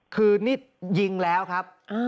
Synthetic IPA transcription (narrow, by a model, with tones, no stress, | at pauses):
kʰɯː˧niː˥˩ | ji˧ŋlɛː˦˥wkʰa˦˥p̚ʔaː˧